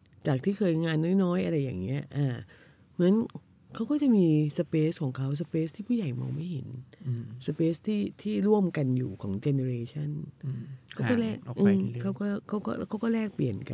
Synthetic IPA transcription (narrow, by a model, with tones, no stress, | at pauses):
t͡ɕaː˨˩k̚t̪ʰiː˥˩kʰɤː˧jŋaː˧nːɔː˦˥˩jnɔː˦˥jʔa˧ɾa˧jːa̰ː˨˩ŋːi˦˥ɐʔaː˧˩ | mɯ˩˦ən | kʰa˦˥wkɔː˥˩t͡ɕa˨˩miː˧sa˧peː˦˥skʰɔː˩˦ŋkʰa˦˥ws̬a˧pe˦˥st̪ʰiː˥˩pʰuː˥˩ja˨˩jmɔ̰ː˧ŋma˥˩jɦḛ˨˩˦nsa˧peː˦˥st̪ʰiː˥˩t̪ʰiː˥˩ɾu˥˩əmka˧njuː˨˩kʰɔː˩˦ŋt͡ɕe˧ne˧ɾeː˧t͡ɕʰa˥˩n | kʰa˥kɔː˥˩lɛː˥˩kʔɯ˧kʰa˦˥wkɔː˥˩kʰa˦˥wkɔː˥˩˦kʰa˦˥wkɔː˥˩lɛː˥˩k̚pli˨˩ənka˧